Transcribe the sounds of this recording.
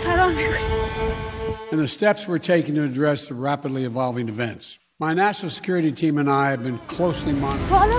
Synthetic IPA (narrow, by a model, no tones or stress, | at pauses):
aɪɾõnɛɹ | ɨ̃nðɨstɛpswə˞tʰeɪkɨ̃n̩tɨːdɹɛsðəɹæpɨdˡliɨvɑlˠvɪ̃ŋɨvɛ̃nts | maɪnæʃnl̩ˠsə̥kʰj̥ʊɹɨɾitʰĩmɨ̃naɪɨvbɨ̃nkʰl̥oʊslimɑn